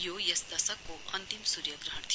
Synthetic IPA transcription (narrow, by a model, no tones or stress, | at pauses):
joːjɐsd̪ɐsəkːoʔɐ̃nt̪imsuːɾjɐɡɾɐɦəɳt̪ʰ